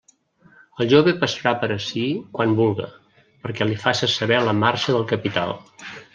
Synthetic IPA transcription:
əlˠʒoβepəsəɾapəɾəsikwanbulˠɣə̰ | pəɾkɛlifasəsəβɛləmaɾʃəðəlˠkəpit̪a̰lˠ

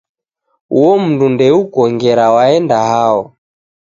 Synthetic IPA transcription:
uwɔm̩ndundɛukɔŋɡɛɾawaɛndaɦaɔ

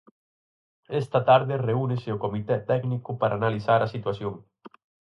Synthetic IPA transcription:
est̪at̪aɾðereuneseokomit̪ɛt̪ɛɡnikupaɾʔanalisaɾasit̪wasjoŋ

